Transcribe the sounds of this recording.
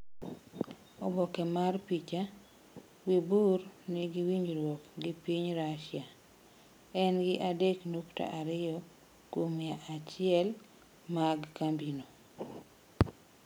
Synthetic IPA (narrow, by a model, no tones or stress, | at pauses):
ɔbɔkɛmarpit͡ʃa | wiburnɪɡɪwiɲɾwɔkɡɪpiɲɾaʃɪa | ɛnɡɪʔadeknukta̰ʔaɾɪjɔ | komɪaʔat͡ʃɪɛl | maɡkambino